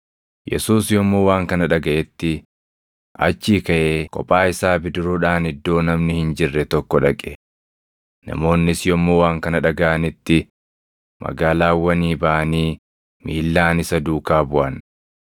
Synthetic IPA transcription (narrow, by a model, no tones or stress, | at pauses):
jɛ̰suːsjɔmːo̞ːwaːŋkɐnɐᶑɐɡɐʔɛt̪ːɪ | ʔɐ̰t͡ʃːiːkɐʔeːkʼɔ̰pʼːaːɪsaːbɪd̪ɪɾoːᶑaːnɪd̪ːo̞ːnɐmnɪhɪnd͡ʒɪrːɛt̪ɔkːɔᶑɐkʼɛ̥ | nɐ̰mo̞ːnːɪsjɔmːoːwaːŋkɐnɐᶑɐɡɐʔɐnɪt̪ːɪ | mʔɐ̰ɡaːlaːwːɐniːbɐʔɐniː | miːlːaːnɪsɐd̪uːkaːbʊʔɐn